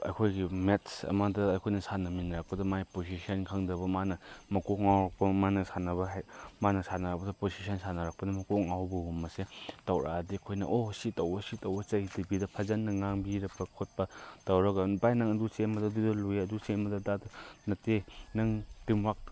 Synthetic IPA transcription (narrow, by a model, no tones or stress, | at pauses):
ɐ̰jkʰojɡimetsɐ̰mɐdɐːjkʰojnɐsanɐminɾak̚pɐdɐmajposisɐnkʰaŋdɐbɐmanɐmɐkoŋawɾɐk̚pɐmanɐsanɐbɐɦajmanɐsanɐɾakpɐdɐposisʰɐnsanɐɾak̚pɐdɐmɐkoŋawbɐɦumːɐsetɐwɾʔa̰diɐkʰojnɐ̰ʔositɐwbɐsitɐwbɐt͡ʃɐjidibidɐpʰɐzɐnːɐŋaŋbiɾɐpʰɐkʰot̚pɐtɐwɾɐɡɐnbajnaŋɐdusembɐdɐdudɐlujɐdusembɐdɐdadɐnɐtenɐŋtimwak̚